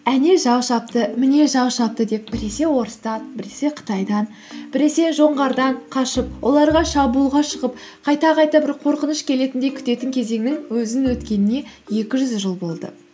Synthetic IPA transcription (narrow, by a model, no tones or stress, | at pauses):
æne̞ʒɑwʃɑp̚t̪əmɪne̞ʒɑwʃɑp̚t̪əd̪e̞p̚bɪɾe̞se̞wo̞ɾəst̪ɑnbɪɾe̞se̞qʰə̥t̪ɑjd̪ɑn | b̥ɪɾe̞se̞ʒo̞ɴʁɑɾd̪ɑɴqʰɑʃəp̚wʔo̞lˠɑɾʁɑʃɑbuːlˠʁɑʃəʁəp | qʰɑjt̪ɑqʰɑjt̪ɑbɪɾqʰo̞ɾqənəʃkʲʰe̞le̞t̪ɪnd̪e̞kʲʰʏ̥t̪e̞t̪ɪŋkʲʰe̞ze̞ŋnɪŋwɵzɪnwɵt̪kʲe̞nɪne̞je̞kʲɪʒʏzʒəlˠbo̞lˠd̪ə̰